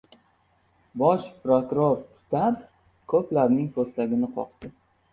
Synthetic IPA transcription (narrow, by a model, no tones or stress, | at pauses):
bɒʃpɾokʊɾoɾt̪ʰʊ̥t̪ʰap | kʰɵplaɾnɪŋkʰost̪aɡʲɪnɪqʰɒ̰qt̪ɪ